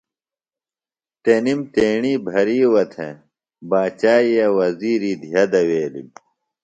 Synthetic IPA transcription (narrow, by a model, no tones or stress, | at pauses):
t̪enimt̪eːɳiːbʱɐɾiːwɐt̪ʰḛ̃ | baːt͡ɕaːjɐwɐziːɾiːd̪ʱijɐd̪ɐweːlḭm